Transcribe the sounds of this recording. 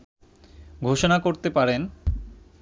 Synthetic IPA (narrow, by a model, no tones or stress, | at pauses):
ɡʱoʃonakoɾt̪epaɾen